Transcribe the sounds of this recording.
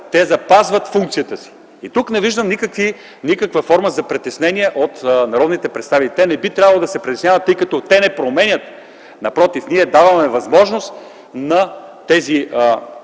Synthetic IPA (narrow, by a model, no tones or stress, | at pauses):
t̪ɛzɐpazvɐt̪fuŋk̚t̪sijət̪əsi̥ | it̪uknɛviʒd̪əmnikəkvi | nikəkvəfɔɾməzɐpɾɛt̪ɛsnɛniɛʔot̪nɐɾɔd̪nit̪ɛpɾɛt̪st̪avit̪ɛnɛbit̪ɾʲjavɐlˠod̪ɐsɛpɾɛt̪ɛsnʲjavɐt̪ːɤjkɐt̪ɔt̪ɛnɛpɾomɛnʲət̪ | nɐpɾɔt̪ifniɛd̪avɐmɛvɐzmɔʒnost̪ | nɐt̪ɛzi